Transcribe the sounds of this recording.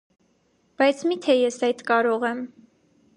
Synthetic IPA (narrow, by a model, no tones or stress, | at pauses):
b̥ɑjt͡sʰmit̪ʰɛjɛsɑjt̪kɑɾɔʁɛm